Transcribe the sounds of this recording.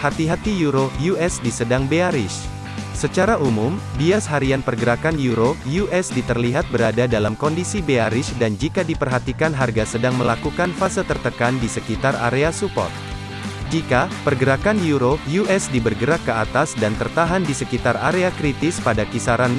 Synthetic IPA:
hat̪iɦat̪ijuɾojuʔɛsdisədaŋbeaɾɪs | sət͡ʃaɾaʔumumbiasɦaɾianpərɡəɾakanjuɾojuʔɛsdit̪ərliɦat̪̚bəɾadadalamkɔndisibeaɾɪsdand͡ʒikadipərɦat̪ikanɦarɡasədaŋməlakukanfasat̪ərt̪əkandisəkit̪ara̰ɾeasupɔ̰rt̪̚ | d͡ʒikapərɡəɾakanjuɾojuʔɛsdibərɡəɾakːəat̪asdant̪ərt̪aɦandisəkit̪araɾeakɾit̪ɪspadakisaɾan

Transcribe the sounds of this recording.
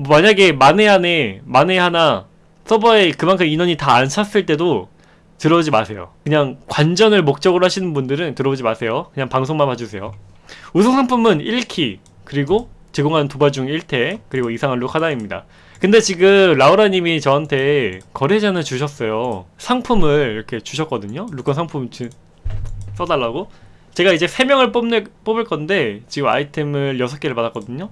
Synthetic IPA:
maɲaɡe̞mane̞ɦane̞maneɦana | s͈ʌbʌekɯmaŋkʰɯminʌɲitaːnt͡ɕʰas͈ɯɭt͈e̞do | tɯɾʌd͡ʑimasʰe̞jo̰kɯɲaŋkwand͡ʑʌnɯɭmok̚t͡ɕ͈ʌɡɯɾohaɕʰinɯnbundɯɾɯntɯɾʌbod͡ʑimasʰe̞jokɯɲaŋpaŋsʰoŋmanpad͡ʑusʰe̞jo | usʰoŋsʰaŋpʰumɯniɭkʰi | kɯɾiɡot͡ɕeɡoŋɦantubaɭd͡ʑuŋiɭtʰe̞kɯɾiɡoisʰaŋɦaɭdokʰadaimɲida̰ | kɯnde̞t͡ɕiɡɯmlauɾaɲimit͡ɕʌɦantʰe̞kʌɾed͡ʑanɯnt͡ɕuɕʰʌs͈ʌjosʰaŋpʰumɯɭiɾʌkʰe̞t͡ɕuɕʰʌt̚k͈ʌdɯɲoɾuk͈ʰʌnsʰaŋpʰumt͡ɕi | s͈ʌdaɭːaɡo | t͡ɕe̞ɡaid͡ʑe̞sʰe̞mjʌŋɯɭp͈omp͈obɯɭk͈ʌnde̞t͡ɕiɡɯma̰itʰe̞mɯɾjʌsʰʌk͈eɾɯɭpadak͈ʌdɯɲo

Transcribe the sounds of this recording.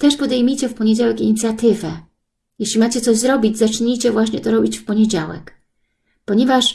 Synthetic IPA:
t̪ɛʂpɔd̪ɛjmʲijt͡ɕɛfpɔɲed͡ʑawɛkiɲit̪sʲjat̪ɘvɛ | jɛɕlʲimat͡ɕɛt̪sɔʑzɾɔbʲid͡ʑzat͡ʂɲijt͡ɕɛvwaɕɲɛt̪ɔɾɔbʲit͡ɕfpɔɲed͡ʑawɛ̰k | pɔɲɛvaʂ

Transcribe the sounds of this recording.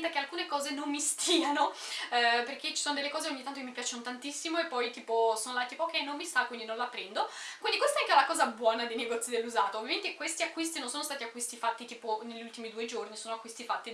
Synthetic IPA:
t̪akealkuːnekɔːzenomːist̪ʰiːano | perk̟et͡ʃːi̥soːnod̪elːekɔːzeoɲːit̪ant̪okemipjaːt͡ʃenot̪ant̪isːimoepːɔjt̪iːposonolat̪iːpokːɛjnomːist̪akwind̪inõnlapːɾɛnd̪okwind̪ikwest̪aɛaŋkeɛlakɔːzabwɔːnad̪ejneɡɔt̪sid̪elːuzaːt̪oːvjament̪ekwest̪iakːwist̪inonsoːnost̪at̪iakːwist̪ifat̪ːit̪iːponeʎːult̪imid̪uːed͡ʒornisoːnoakːwist̪ifat̪ːi

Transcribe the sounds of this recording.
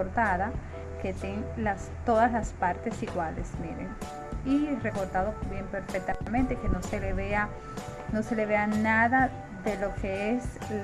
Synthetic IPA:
oɾt̪aða | ke̞t̪eŋlast̪o̞ðaslaspaɾt̪e̞siɣwalḛsneɾḛŋ | ire̞ko̞ɾt̪aðobje̞mpeɾfet̪amẽnt̪eke̞noseleβea | no̞se̞le̞βeanaða | ðe̞lo̞kʰe̞es

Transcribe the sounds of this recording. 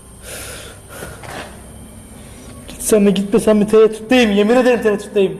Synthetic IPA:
ɟi̥t̪sænːiɟit̪mesænbit̪ʰeɾɛt̪ʰu̥t̪d̪ejimjemined̪eɾimt̪ʰeɾɛt̪ʰu̥t̪d̪ejim

